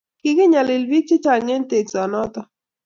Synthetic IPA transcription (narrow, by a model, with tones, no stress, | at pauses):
ki˨kɪ˦ɲa˨lɪ˨lbi˦k̚t͡ʃɪ˦t͡ʃa˨lɲɛ˦n˦t̪e˨ksa˨nɔ˦t̪ɔ˦